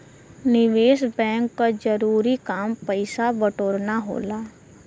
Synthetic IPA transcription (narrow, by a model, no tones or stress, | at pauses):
nɪʋeːsbɛ̃ːŋkːad͡ʒəɾuːɾikaːmpəɪsabəʈoːɾnaɦo̰ːlaː